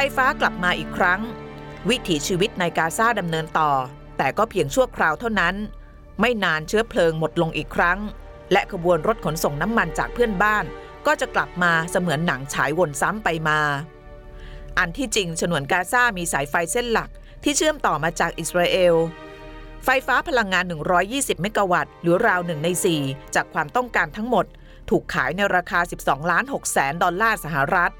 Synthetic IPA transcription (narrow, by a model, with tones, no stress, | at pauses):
fa˧˦˧jfaː˦˥kla˨˩p̚maː˧ʔiː˨˩kʰɾa˦˥ŋwi˦˥t̪ʰiː˩˦t͡ɕʰiː˧wi˦˥t̪̚na˧jkaː˧saː˥˩da˧mnɤː˧nt̪ɔː˨˩ | t̪ɛː˨˩kɔː˥˩pʰi˧əŋt͡ɕʰu˥˩əkʰɾaː˧wt̪ʰa˥˩wna˦˥n | ma˥˩jnaː˧nt͡ɕʰɯ˦˥ɐəpʰlɤː˧ŋmo˨˩t̪̚lo˧ŋʔiː˨˩kʰɾa˦˥ŋ | lɛ˦˥ʔkʰa˧bu˧ənɾo˦˥t̪̚kʰo˩˦nso˨˩ŋna˦˥mːa˧nt͡ɕa̰ː˨˩k̚pʰɯ˥˩ənbaː˥˩n | kɔː˥˩t͡ɕa˨˩kla˨˩p̚maː˧sa˧mɯ˩˦ənːa˩˦ŋt͡ɕʰa̰ː˩˦jwo˧nsa˦˥mpa˧jmaː˧ | ʔa˧nt̪ʰiː˥˩t͡ɕi˧ŋt͡ɕʰa˧nu˩˦ənkaː˧saː˥˩miː˧saː˩˦jfa˧jse˥˩nla˨˩k̚ | t̪ʰiː˥˩t͡ɕʰɯ˥˩əmt̪ɔː˨˩maː˧t͡ɕaː˨˩k̚ʔi˨˩t̪̚ɾaː˧ʔeː˧w | fa˧jfaː˦˥pʰa˧la˧ŋːaː˧nːɯ˨˩ŋɾɔː˦˥jːiː˥˩si˨˩p̚me˦˥kːa˧wa˨˩t̪̚ɾɯː˩˦ɾaː˧wnɯ˨˩ŋna˧jsiː˨˩t͡ɕaː˨˩kʰwaː˧mt̪ɔ˥˩ŋkaː˧nt̪ʰa˦˥ŋmo˨˩t̪̚ʰː | uː˨˩kʰːaː˩˦jna˧jɾaː˧kʰaː˧si˨˩p̚sɔː˩˦ŋlaː˦˥nɦo˨˩k̚sɛː˩˦ndɔ˧nlaː˥˩sa˧˦˥ɦa˨˩ɾa˦˥t̪̚